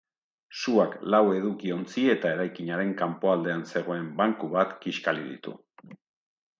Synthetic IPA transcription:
suaklawe̞ð̞ukio̞nt͡sie̞t̪ae̞ɾajkiɲaɾe̞ŋkampo̞ald̪e̞anse̞ɣ̞o̞e̞mbaŋkuβat̪ɡiʃkaliðḭt̪ṵ

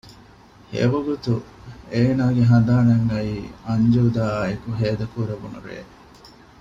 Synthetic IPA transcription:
hḛʋɐɡut̪ueːnaːɡeɦɐnd̪aːnɐŋɡɐiːɐɲd͡ʒuːd̪aːekuɦeːd̪ɐkuɾeʋunṵɾḛː

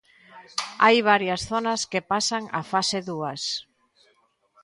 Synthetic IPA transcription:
ajβ̞aɾjasθonaskepasaŋa̰faseðuas

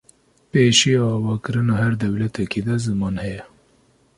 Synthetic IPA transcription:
peːʃiɑːwɑːkɨɾɨnɑːɦæɾd̪ɛwlɛt̪ɛkid̪ɛzɨmɑːnhɛjɛ

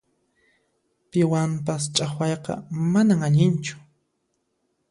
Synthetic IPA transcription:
pɪwampast͡ʃʼaχwɑjqɑ̰manaŋaʎɪnt͡ʃʊ̥

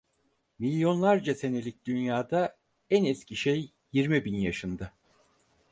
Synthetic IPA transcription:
milʲjo̞nlˠaɾd͡ʒase̞nelʲic̚d̪ynjaːd̪a | ænɛscʰiʃejː | iɾmibinjaʃɯnd̪a

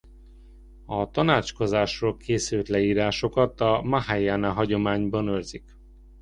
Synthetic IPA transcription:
ɒt̪ɒnaːt͡ʃko̞zaːʃroːlkʰeːsylt̪lɛiːɾaːʃo̞kɒt̪ɒmahajanɛɦɒɟo̞maːɲbɒnølzik

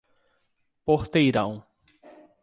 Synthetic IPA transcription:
poht̪ejɾɐ̃w̃

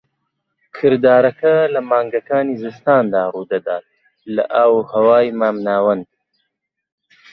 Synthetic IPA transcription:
kʰɨɾd̪aːɾɐkɐlɐmaːŋɡɐkaːniːzɨst̪aːnd̪aːruːd̪ɐd̪aːt̪̚ | lɐ̰ʔaːwhɐwaːjmaːmnaːwɐnd̪̚

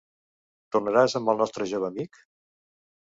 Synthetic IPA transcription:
t̪urnəɾazəmbəlˠnɔst̪ɾəʒoβəmik

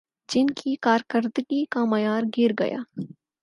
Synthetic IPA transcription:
d͡ʒɪnkʰikaːɾkəɾd̪ɡikamɐjaːɾɡɪɾɡɐ̰ja̰ː

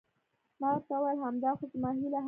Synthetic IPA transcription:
mɑk̪awalhamd̪ɑxozəmɑhilaɦ

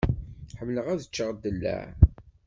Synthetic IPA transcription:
ħəmːləʁæðət͡ʃːəʁd̪əlːæ̰

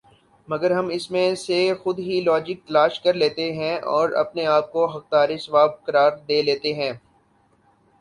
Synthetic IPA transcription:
mɐɡəɾɦɐmɪsmẽsexʊd̪ɦilɔːd͡ʒɪk̚t̪ɐlaːʃkɐɾleːt̪eɦɛ̃ʔɔ̰ːɾɐ̰pneaːp̚koɦɐk̚t̪aːɾisɐʋaːb̚kɐɾaːɾd̪eːleːt̪eɦɛ̃ː

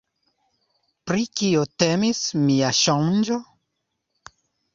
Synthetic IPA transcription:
pɾikiotemismiaʃand͡ʒo

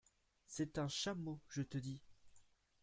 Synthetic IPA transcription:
sɛt̪ɛ̃ʃamoʒət̪əd̪i

